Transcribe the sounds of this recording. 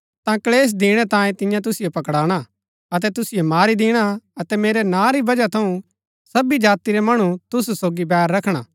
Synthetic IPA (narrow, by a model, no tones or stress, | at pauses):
t̪ãkleːs̬d̪iːɽ̃ɛt̪ãːjẽt̪ɪ̃jãt̪̬ʊsɪjopɐkɽaːɽ̃a | ɐt̪̬ɛt̪ʊsɪjomaːɾid̪ɪːɽ̃aɐt̪ɛmeːɾɛnãːɾibɐd͡ʒat̪ʰɐũ | sɐbid͡ʒaːt̪iɾɛmɐɽ̃ut̪ʊssoːɡibɛːɾːɐkʰɽ̃a̰